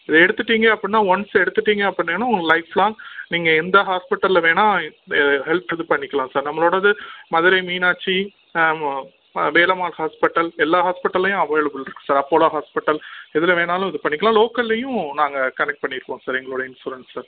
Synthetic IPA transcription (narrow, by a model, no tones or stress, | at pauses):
ɪðɛɽɯt̪ːɯʈːiːŋɡɐɐpːɐɽɪnːaːʋɐnsɛɽɯt̪ːɯʈːiːŋɡɐɐpːɪnːeːnaːʊŋɐlɐɪflaːŋniːŋɡɐɛnd̪ɐɦaːspɪʈːɐlːʋeːnãːɛðɦɛlpɛðɯpɐɳːɪkːɐɭãːsaːɾnɐmːɐɭoːɽɐðɯmɐðɯɾɐɪmiːnaːt͡ʃːi | ʋeːlɐmaːlhaːspɪʈːɐlɛlːaːɦaːspɪʈːɐlːɐjʊ̃ɐʋɐːɐɭɐʋɯɭɪɾɯkːʊ̥̃saːɾɐpːoːlaːɦaːspɪʈːɐlɪðɪlɐʋeːnaːlʊ̃ɪðɯpɐɳːɪkːɐɭlãːloːkɐlːɐjʊ̃naːŋɡɐkɐnɛk̚ʈ̚pɐɳːɪɾɯkːõːsaːɾɛŋɡɐɭoːɽɐɪnsuːɾɐnssɐ